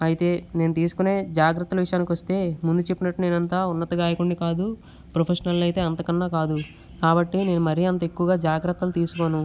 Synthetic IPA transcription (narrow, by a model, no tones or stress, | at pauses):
ɐjit̪e̞ːneːnut̪iːsu̥kune̞ːd͡ʒaːɡɾɐt̪ːɐlɐʋiʂɐjaːnikiʋɐst̪e̞ːmund̪ut͡ʃe̞pːinɐʈːune̞ːnɐnt̪aːunːɐt̪ɐɡaːjɐkuɳːikaːd̪u | pɾopʰeʂɐnɐlnɐjt̪e̞ːɐnt̪ɐkɐnːaːkaːd̪u | kaːbɐʈːine̞ːnumɐɾijɐnt̪̬ɐe̞kːuʋɐɡaːd͡ʒaːɡɾɐt̪ːɐlut̪iːsu̥ko̞ːnu